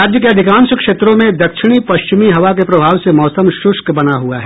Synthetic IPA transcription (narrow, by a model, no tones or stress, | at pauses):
aːd̪jəkeɐd̪ʱɪkãːnsəkʃeːt̪ɾõmẽd̪ɐkʃɪɽ̃ipɐʃt͡ʃɪmiɦɐʋak̬epɾɐbʱaːʋsemɔːsəmʃʊʃkbɐnaɦuaɦɛ